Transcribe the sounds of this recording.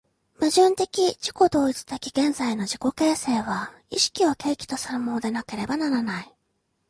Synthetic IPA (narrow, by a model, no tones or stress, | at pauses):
mɯʑɨ̃nt̪e̞kʲiʑ̥i̥ko̞d̪o̞ːit͡sɨ̥t̪ekʲiɡẽ̞nzaino̞ʑiko̞ke̞ːse̞ːβ̞a | iɕi̥kʲiβake̞ːkʲi̥t̪o̞sãmmːo̞ːd̪e̞nake̞ɾe̞banaɾanai